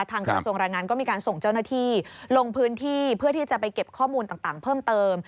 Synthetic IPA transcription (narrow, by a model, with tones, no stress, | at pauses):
t̪ʰaː˧ŋkɾa˧su˧əŋɾaː˧jŋaː˧nkɔː˥˩miː˧kaː˧nso˨˩ŋt͡ɕa˥˩wna˥t̪ʰiː˥˩lo˧ŋpʰɯː˦˥nt̪ʰiː˥˩pʰɯ˥˩ɐt̪ʰiː˥˩t͡ɕa˨˩pa˧jke˨˩p̚kʰɔː˥˩muː˧nt̪aː˨˩ŋt̪aː˨˩ŋpʰɤː˥˩mt̪ɤː˧m